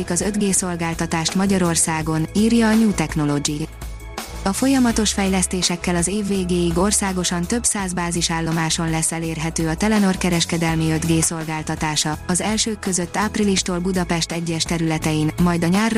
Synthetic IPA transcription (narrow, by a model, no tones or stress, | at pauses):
ikɒzø̞d̪ɡeːso̞lɡaːlt̪ɒt̪aːʃt̪mɒɟɒɾo̞rsaːɡo̞niːrjɒːɲuːt̪ɛkno̞lo̞ɡi | ɒfo̞jɒmɒt̪o̞ʃfɛjlɛst̪eːʃɛkːɛlɒzeːvːeːɡeːjiɡo̞rsaːɡo̞ʃɒnt̪ø̞bsaːzbaːziʃaːlːo̞maːʃo̞nlɛsːɛleːrɦɛt̪øːɒt̪ɛlɛno̞rkɛɾɛʃkɛd̪ɛlmiø̞d̪ɡeːso̞lɡaːlt̪ɒt̪aːʃɒɒzɛlʃøːkːø̞zøt̪ːaːpriliʃt̪oːlbud̪ɒpɛʃt̪ɛɟːɛʃt̪ɛɾylɛt̪ɛjinmɒjd̪ɒɲaːr